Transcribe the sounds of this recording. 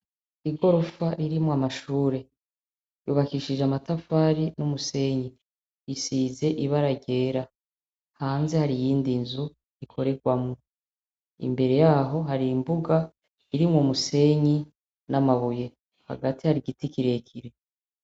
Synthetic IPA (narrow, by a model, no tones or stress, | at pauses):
iɡo̞ɾo̞faɾiɾimŋwamaʃuːɾe̞ | juβakiʃiʒamatafaɾinumuse̞ɲi | isize̞ʔiβaɾaɟe̞ːɾa | haːnze̞haɾijiːndinzu | ikʰo̞ɾe̞ɡwamŋo | ḭmbe̞ɾe̞jaːɦo̞ɦaɾiːmbuɡa | iɾimŋomuse̞ɲi | namaβuje̞ | ha̰ɡatihaɾiɟitikiɾe̞kʰiɾe̞